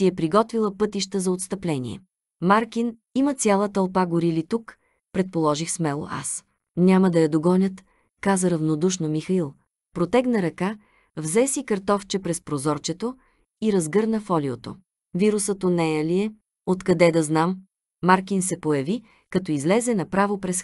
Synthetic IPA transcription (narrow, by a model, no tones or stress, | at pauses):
siɛpɾiɡɔt̪vilˠəpɤt̪iʃt̪əzɐot̪st̪ɐplɛnʲḭɛ̰ | maɾkin | imət̪sʲjalˠət̪ɐlˠpaɡoɾilit̪uk | pɾɛt̪̚polˠɔʒixsmɛlˠo̰ʔa̰s | nʲaməd̪ɐjɐd̪oɡɔnʲət̪ | kazəɾɐvnod̪uʃnomixɐilˠ | pɾot̪ɛɡnɐɾɐka | vzɛsikɐɾt̪ɔft͡ʃɛpɾɛspɾozɔɾt͡ʃɛt̪o | iɾɐzɡɤɾnəfɔliot̪o̰ | viɾusət̪onɛjɐliɛ | ot̪kɐd̪ɛd̪ɐznamː | aɾkinsɛpojɐvi | kɐt̪ɔizlɛzɛnɐpɾavopɾɛs